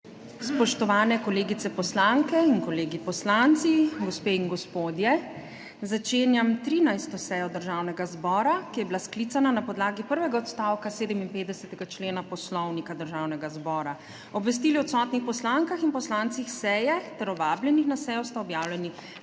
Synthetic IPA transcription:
spɔʃt̪ɔʋaːnɛkɔleːɡit̪ɛpɔslaŋkɛinkɔleːɡipɔslant̪siɡɔspeːiŋɡɔspoːd̪jɛ | zat͡ʃeːnjamt̪ɾiːnajst̪ɔsɛjɔd̪əɾʒawnɛɡazbɔːɾakijɛbilaskliːt̪sananapɔd̪laːɡipəɾʋɛɡaɔt̪st̪aːwkaseːd̪əminpeːt̪d̪ɛsɛt̪ɛɡat͡ʃleːnapɔslɔwnikad̪əɾʒaːwnɛɡazbɔːɾa | ɔbʋɛs̬t̪iːliɔt̪sɔt̪nixpɔslaŋkaxinpɔslant̪sixsɛjɛt̪ɛɾɔʋaːbljɛnixnasɛjɔst̪aɔbjaːwlɛni

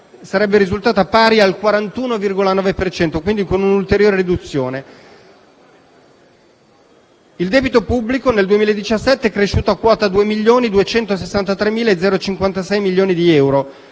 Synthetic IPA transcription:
saɾɛbːeɾizult̪aːt̪apaːɾialkwaɾant̪uːnovirɡolanɔːvepert͡ʃɛnt̪okwind̪ikonunult̪eɾjoːɾeɾid̪ut̪sːjoːne | ild̪eːbit̪opubːlikoneld̪uemiːlaed̪ːit͡ʃasːɛt̪ːeɛkːɾeʃːuːt̪oakːwɔːt̪ad̪uːemiʎːoːnid̪uet͡ʃɛnt̪osesːant̪at̪ɾemːiːlaed̪zɛːɾot͡ʃiŋkwant̪asɛjmilːjoːnid̪iɛwɾo

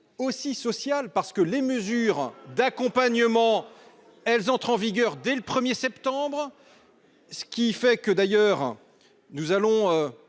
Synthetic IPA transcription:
osisɔsjalpaʁsə̥kəleməzyʁd̪akɔ̃paɲəmɑ̃ | ɛlzɑ̃t̪χɑ̃viɡʲœʁd̪ɛləpχəmjesɛpt̪ɑ̃bʁ | sə̥kʲifɛkəd̪ajœʁ | nuzalɔ̃ø

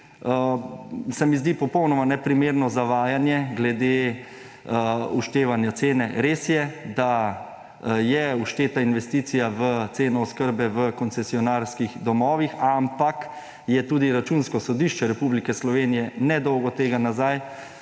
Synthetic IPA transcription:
sɛmizd̪ipɔpɔwnɔmanɛpɾimeːɾnɔzaʋaːjanjɛɡlɛd̪e | uʃt̪eːʋanjat̪seːnɛɾeːsjɛd̪a | jɛuʃt̪eːt̪ainʋɛst̪iːt̪sijaʋət̪seːnɔːskəɾbɛʋəkɔnsɛsiɔnaɾskiɣd̪ɔmɔːʋixampak | jɛt̪uːd̪iɾat͡ʃunskɔsɔd̪iʃt͡ʃɛɾɛpublikɛslɔʋeːnijɛnɛd̪ɔwɡɔt̪eːɡanazaj

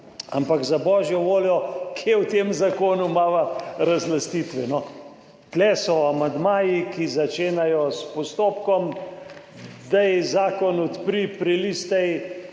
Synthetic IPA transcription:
a̰mpakzabɔːʒjɔʋoːljɔkʰjewt̪eːmzakoːnumaːʋaɾazlast̪it̪ʋɛnɔ | t̪lɛsɔamand̪maːjikizat͡ʃeːnajɔspɔst̪oːpkɔm | d̪ajzaːkɔnɔt̪pɾipɾilist̪ɛj

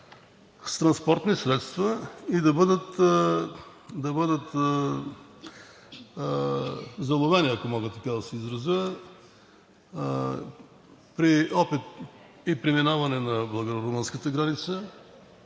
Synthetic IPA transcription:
st̪ɾɐnspɔɾt̪nisɾɛt̪st̪vɐid̪ɐbəd̪ət̪ | d̪ɐbɤd̪ət̪ | zɐlˠovɛniɐkomɔɡət̪ːɐkad̪ɐsɛizɾɐziə | pɾiɔpit̪ | ipɾiminavɐnɛnɐblˠɐɡoɾɾomɤnskət̪əɡɾanit̪sə

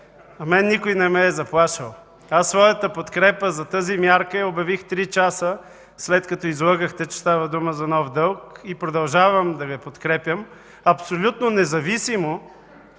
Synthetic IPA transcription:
ɐmɛnːikojnɛmɛːzɐplˠaʃəlˠ | asːvɔjɐt̪əpot̪kɾɛpəzɐt̪əzimʲjaɾkəjɐobɐvixt̪ɾit͡ʃasə | slɛt̪kɐt̪ɔizlˠaɡəxt̪ɛt͡ʃɛ̥st̪avɐd̪uməzɐnɔvd̪ɤlˠkipɾod̪ɐlˠʒavəmd̪ɐɡɐpot̪kɾɛpʲjəm | ɐpsolʲut̪nonɛzɐvisimo

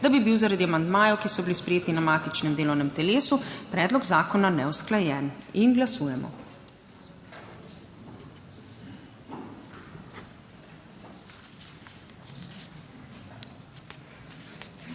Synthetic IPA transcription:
d̪abibiwzaɾad̪iamand̪maːjɔwkisɔbilispɾɛjeːt̪inamaːt̪it͡ʃnɛmd̪eːlɔwnɛmt̪ɛleːsupɾɛːd̪lɔɡzaːkɔnanɛwsklajɛːninɡlasuːjɛmɔ̰

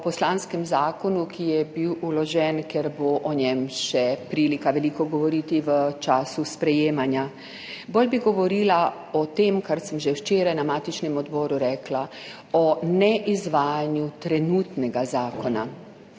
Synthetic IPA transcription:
pɔslaːnskɛmzaːkɔnukʰijɛbiwulɔʒɛnkjɛɾboʔɔnɛmʃɛpɾiːlikaʋɛliːkɔɡɔʋɔɾiːt̪iʋət͡ʃaːsuspɾɛjeːmanja | bolʲbiɡɔʋɔɾiːla | ɔt̪emkaɾsəmʒɛwt͡ʃeːɾajnamaːt̪it͡ʃnɛmɔd̪bɔːɾuɾɛːkla | ɔnɛʔizʋaːjanjut̪ɾɛnuːt̪nɛɡazaːkɔna̰

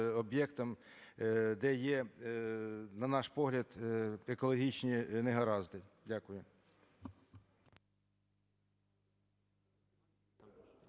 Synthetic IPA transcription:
ɔbjɛkt̪ɐm | d̪ɛjɛ | nɐnɑʃpɔɦlʲɐd̪ekɔlˠɔɦʲit͡ʃnʲineɦɐɾɑzd̪ɪdʲakʊjʊ

